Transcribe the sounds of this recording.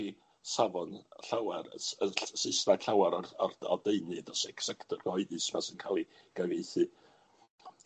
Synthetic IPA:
i | savɔnɬawɛɾ̰əsɪsraɬawaɾɔɔrɔ̰deɨnɨdɔsɛksɛktʰɔrɡ̥ɔɨdɨsmasɨnkʰalˠi | ɡ̥avejθɨ

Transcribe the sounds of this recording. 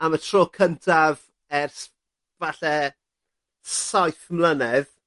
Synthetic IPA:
amatʰr̥oːkʰəntʰav | ɛrs | vaɬɛ | sajθmlənɛð

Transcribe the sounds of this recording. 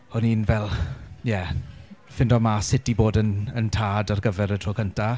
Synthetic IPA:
ɔniːnvɛlˠjɛ | fɪndɔmasɪtiboːdənəntʰaːdarɡəvɛɾətʰroːkʰəntʰa

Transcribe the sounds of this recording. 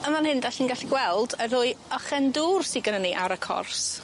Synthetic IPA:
əmanhɪndaɬiːnɡaɬiɡwɛlˠdəɾʊɨɔχɛnduːrsɪɡənəniʔaɾəkʰɔ̰rs

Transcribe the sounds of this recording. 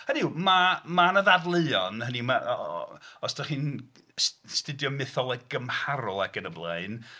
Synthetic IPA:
hənimamanəðadlˠɨɔnənima | ɔsd̥aχiːn | sstɨdjɔmɪθɔlˠəɡəmhaɾɔlˠaɡənəblˠeɨn

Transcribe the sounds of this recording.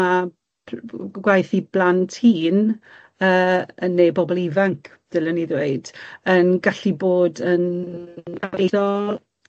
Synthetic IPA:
a | ɡwajθib̥lˠantʰhiːn | əːənːejbɔbɔlˠivaŋkʰ | d̥ɪləniðweɨd̥ənɡaɬiboːdən | ɡaɾedɔl

